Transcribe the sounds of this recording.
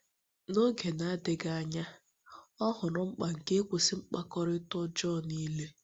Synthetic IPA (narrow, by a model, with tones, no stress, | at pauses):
no˦ɡe˨na˦dɪ˨˦ɡa˦ɲa˦ | ɔ˦ɦʊ˨ɾʊ˨ŋ͡m̩˦k͡pa˨ŋ̩˨ke˦kʷo˨si˦ŋ͡m̩˦k͡pa˦kɔ˦ɾɪ˦tɔ˦d͡ʒɔː˦˨ni˦le˦